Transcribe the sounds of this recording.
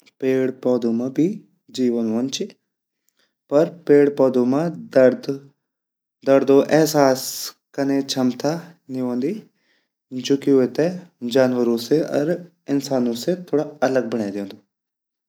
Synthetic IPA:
peːɽpɔːd̪omãbʱi | d͡ʒiːʋənɦoːnt͡ʃi | pɐɾpeːɽpɔːd̪omãd̪əɾd̪ | d̪ɐɾd̪õʔɛɦsaːs | kɐnet͡ʃʰɐmt̪ʰaniɦõːnd̪i | d͡ʒoːkiɦʊet̪ed͡ʒaːnʋəɾõseɐ̰ɾ | ɪnsaːnõset̪ʰoːɽaɐləɡ̚bəɽ̃aːd̪ẽːnd̪oː

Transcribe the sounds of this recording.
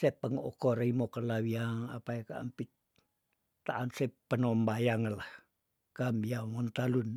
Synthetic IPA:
sepəŋokoɾimokəlawiaŋa̰pajkaa̰mpi | t̪aʔansepənombajaŋəlah | kambiamont̪alun

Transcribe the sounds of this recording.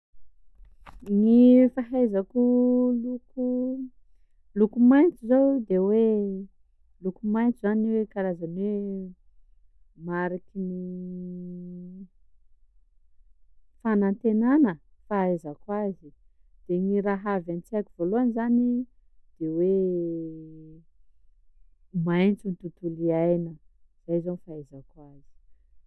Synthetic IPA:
ŋifaɦajzakuluku | lukumajnt͡suzowd̪ewe | lukumajnt͡suzanwekaɾazanwe | maɾakini | fanant̪enanə | faezakwazi | d̪̥eŋiɾaɦavant͡siakʲivoloanizani | d̪̥ewe | majnt͡sunit̪ut̪uliajnəz̥ajzanifaezakwazi̥

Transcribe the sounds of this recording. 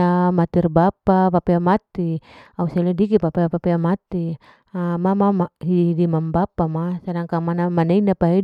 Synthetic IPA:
amat̪irbapapapiamat̪iausalɛdikipapiapapiamat̪i | amamamaɦiiɦidimambapamasanaŋkamanamanainapaɦi

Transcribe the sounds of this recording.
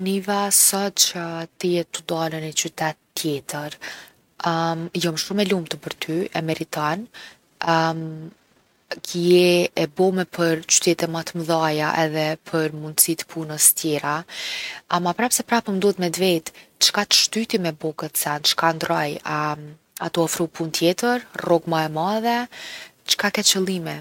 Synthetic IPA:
nivasɔt̪t͡ʃət̪əjɛt̪ːud̪alənɛt͡ɕyt̪ɛt̪t̪ːjɛt̪əɾ | mjɔmʃumɛlumt̪əpəɾt̪ʰyɛmɛɾit̪an | m | kəjɛɛbɔmɛpʰəɾt͡ɕy̥t̪ɛt̪ɛmat̪əməðajaʔɛðɛpʰəɾmund̪sit̪pʰunəst̪jɛɾa | amapɾapsɛpɾapəmənd̪ɔt̪mɛd̪vɛjt̪t͡ʃkat̪ə̥ʃt̪yt̪imɛbɔkət̪sɛnt͡ʃkand̪ɾɔja | at̪ɔɔfɾupunt̪jɛt̪əɾrɔɡmaɛmaðɛ | t͡ʃkakɛt̪t͡ʃəlˠimɛ

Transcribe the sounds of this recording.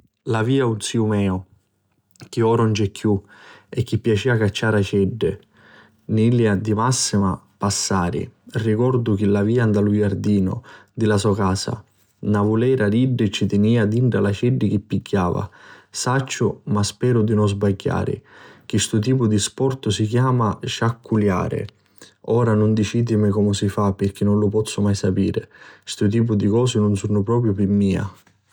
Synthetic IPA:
laviːaunsiːumɛːʊ | k̟iɔːɾɔnd͡ʒɛkʰːjuɛkːipːjat͡ʃiːakat͡ʃːaːɾat͡ʃɛɖːɪ | niljad̪imasːima̰ | pasːaːɾɪ̰rikɔɾd̪ʊk̟ɪlaviːand̪alujaɾd̪iːnʊ̰d̪ɪlasɔkaːsa̰ | navulɛːɾad̪iɖːɪt͡ʃːit̪ɪniːad̪iɳɖalat͡ʃɛɖːɪk̟ɪpːiɡːaːva̰sat͡ʃːʊmaspɛːɾʊd̪inʊzbaɟːa̰ːɾɪ̰k̟ɪst̪ʊt̪̬iːpʊd̪ispɔrt̪ʊsik̟jaːmaʃakʰːulja̰ːɾɪ̰ | ɔːɾanʊnd̪it͡ʃiːd̪ɪmɪkɔmʊsifapːɪrk̟inːʊnlʊpɔt̪sːʊmajsapḭːɾɪst̪ʊt̪̬iːp̬ʊd̪ikɔːsɪnʊnsunʊpɾɔːp̬ɾjʊpimːiːa̰

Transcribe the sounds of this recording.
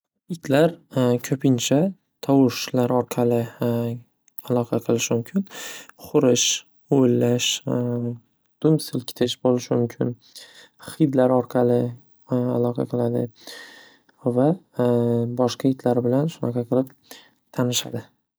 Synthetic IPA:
ɪt̪ʲʰlaɾkʲʰɵpʰɪnt͡ʃʰa | t̪ʰɒwʊʃlaɾɒɾqʰɑlɪ | alˠɒqʰɑqʰɨlˠɪʃmʊmkʲʰɪnχʊɾɪʃ | oɪlːaʃ | d̪̥ʊmsɪlkʲʰɪ̥t̪ʰɪʃbolɪʃɪmʊmkʲʰɪn | χɨjd̪laɾɒɾqʰɑlɪ | alˠɒqʰɑ̰qʰɨlˠad̪ɪ̰ | va | bɒʃqɑɪt̪ʲʰlaɾbɪlanʃʊnaqʰɑqʰɨlˠɪp̚ | t̪ʰanɪʃa̰d̪ɪ

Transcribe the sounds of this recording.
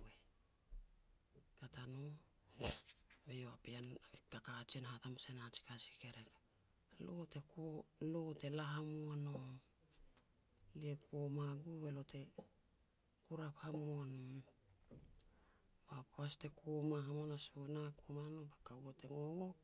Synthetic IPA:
we | katano | bejoapiankakat͡ʃianhatamasenat͡ʃi̥kasi̥keɾeka | lote̞kolote̞laɦamoano | liekomaɡube̞lote̞ | kuɾaphamoan | bapoaste̞komahamonasunakomanobakawote̞ŋoŋok

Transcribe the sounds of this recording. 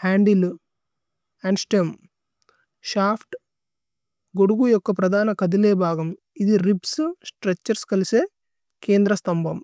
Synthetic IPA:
haːɳɖil | ɐɳsʈjɐm | ʃaːpʰʈ | ɡoɽuɡujokːɐpɾɐd̪ʱaːnɐkɐd̪ileːbʱaːɡɐm | id̪iɾipssʈɾet͡ʃːɐɾskɐlise | keːnd̪ɾɐst̪ɐmbʱɐm

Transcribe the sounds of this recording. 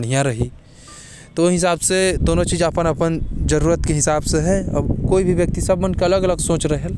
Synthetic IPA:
ɽ̤ijãɾɐɦi | t̪ooɦɪs̬aːbsed̪oːnõt͡ʃiːzapənɐpənd͡ʒɐɾuːɾət̪keɦɪsaːbseɦɛɐ̰bkoːibʱiʋjɐk̚t̪isɐbmɐ̃nkeɐləɡɐləɡsõːt͡ʃɾɐɦɦɛ

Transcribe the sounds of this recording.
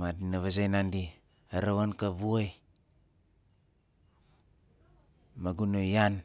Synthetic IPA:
madinaβazajnandi | aɾawankaβuoj | maɡunojan

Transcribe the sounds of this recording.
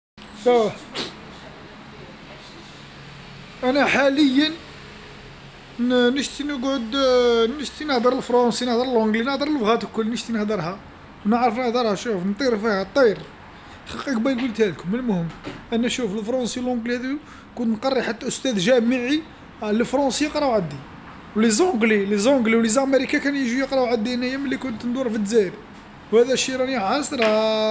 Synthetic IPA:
sæw | ʔænæħaləjːən | nəʃt̪inəɡʕʊd̪nəʃt̪inəhd̪əɾəlfɾˤɑnsinəhd̪əɾˤəlʕʊ̃ɡlinəhd̪əɾəlbɣæt̪əlkːʊlːnəʃt̪inəhd̪əɾˤhæ | wnəʕɾˤəfnəhd̪əɾˤhæʃufnt̪ˤiɾfihæt̪ˤːiɾ | xɑqəkbɑjɡult̪hæd̪kʊmːəlmʊhəmːʔænːæʃufəlfɾˤɑnsiwlʕʊ̃ɡlihæd̪i | kʊnt̪nqɑrˤːiħat̪ːæʔʊst̪æd̪ʒæməʕi | ləfɾˤɑsijəqɾˤɑʔwʕad̪ːi | wlizõɡlilizoɡliwlizæmeɾikakænjəʒujəqɾˤɑʔʕad̪ːinæjæməlːikʊnt̪nd̪uɾˤfəd̪zæɾ | whæd̪æʃiɾˤɑnjʕɑsɾˤ

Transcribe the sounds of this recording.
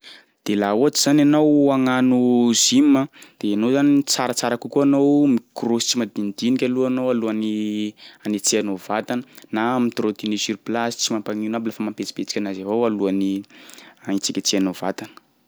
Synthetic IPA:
d̪̥elaoatiz̥ananowaŋanuzimːəd̪̥eanozanit͡saɾat͡saɾakukuanowmikrosi̥t͡simad̪ind̪inikʲaluanowaluani | anet͡sianovat̪anənamit̪ɾot̪inisiɾplasi̥t͡simampaŋiunabilafəmampet͡si̥bet͡sikʲanazavowaluani | ait͡sikʲat͡sianovat̪anə̥

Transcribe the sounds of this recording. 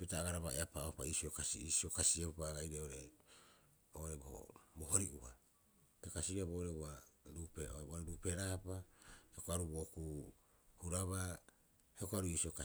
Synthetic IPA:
petaːɡaɾaβaeapaopa̰iːsio̞kasḭiːsio̞kasieupaɡajɾeoɾe | oɾeboho̰boɦo̞ɾiʔuha | kekasiabo̞ːɾeuaɾupeʔouaɾupe̞ɾapaheokoaɾubo̞ːkuhuɾaβa | heokoaɾuiːsio̞ka

